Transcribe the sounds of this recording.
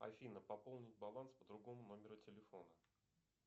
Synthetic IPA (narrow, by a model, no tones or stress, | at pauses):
ɐ̰fʲinəpɐpo̞lˠnʲɪt̚ʲbɐlˠanspəd̪ɾʊɡo̞mʊno̞mʲɪɾʊtʲɪlʲɪfo̞nə